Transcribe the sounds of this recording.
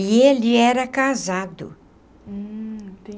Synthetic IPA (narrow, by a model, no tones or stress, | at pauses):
ɪelɪɛɾɐkazad̪ʊ̰ | t̪e